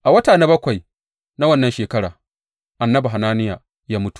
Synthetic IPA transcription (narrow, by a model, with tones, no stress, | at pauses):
ʔa˨wɐ˦taː˨na˦bɐ˦kʷa˨j | na˦wɐ˦nːɐ˦nʃeː˨kɐ˦ɽaː˨ | ʔa˨nːɐ˦bu˨ɦa˨naː˦nɪ˦jaː˨ | jaː˦mʊ˦tu̥˨